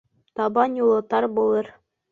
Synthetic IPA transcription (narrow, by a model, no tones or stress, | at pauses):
t̪ɑbɑnjulˠɤ̆t̪ɑɾbulˠɤɾ